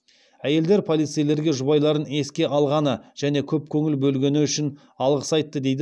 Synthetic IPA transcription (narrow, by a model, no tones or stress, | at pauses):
æje̞ld̪e̞ɾpʰo̞lˠijt̪sijle̞ɾɡʲe̞ʒʊβɑjlˠɑɾəne̞skʲe̞ʔɑlˠʁɑnəʒ̥æne̞kʲʰɵp̚kʲʰɵŋɪlbɵlɡʲe̞nɪʏʃɪn | ɑlˠʁəsɑjt̪ːəd̪e̞jd̪ɪ